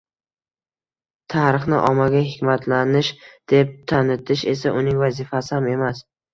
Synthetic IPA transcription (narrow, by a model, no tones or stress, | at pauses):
t̪ʰaɾɪχnɪʔɒmaɡʲahɪkʲmat̪ʰlanɪʃd̪̥e̞p̚t̪ʰanɪt̪ʰɪʃe̞saʔʊnɪŋvazɪfasɪhame̞mas